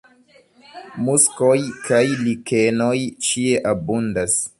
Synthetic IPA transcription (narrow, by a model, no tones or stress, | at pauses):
muskojkʰajlikeno̞jt͡ʃieʔabundas